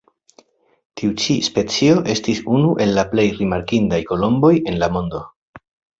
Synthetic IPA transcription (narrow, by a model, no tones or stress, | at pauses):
tiut͡ʃispe̞t͡sio̞ʔe̞stisunuʔe̞lːaple̞jɾimaɾkindajko̞lo̞mbo̞je̞nlamo̞ndo̞